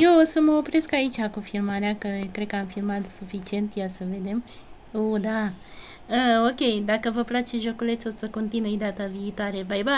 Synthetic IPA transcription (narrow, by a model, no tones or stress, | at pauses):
je̞wosəməopɾe̞skait͡ʃʲakofirmaɾeakəkɾekəamfirmat̪sufit͡ʃie̞nt̪jasəve̞d̪e̞m | od̪a | əokʲe̞jd̪akəvəplat͡ʃeʒo̞kule̞t̪sosəko̞nt̪inujd̪at̪aviːt̪oaɾe̞bajba